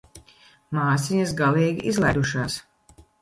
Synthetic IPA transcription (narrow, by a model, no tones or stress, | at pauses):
maːsiɲasɡalˠɛːɡʲiʔizlˠajd̪uʃaːs